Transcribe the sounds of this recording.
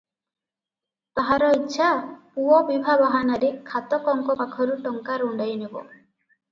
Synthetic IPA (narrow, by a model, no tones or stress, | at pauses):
t̪ɔɦaɾɔitːʃʰapuɔbibʱabɔɦanaɾekʰat̪ɔkɔŋkɔpakʰɔɾuʈɔŋkaɾuɳɖajnebɔ̰